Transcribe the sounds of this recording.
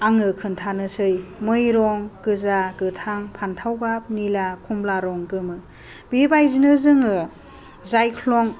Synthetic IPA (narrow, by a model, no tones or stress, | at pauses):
aŋɯkʰɯntʰanɯsɯjmɯjɾɔŋkɯzakɯtʰaŋpʰantʰawɡap̚nilakʰumblaɾɔŋkɯmɯ | bibajzinɯzɯŋɯ | zajkʰlɔŋ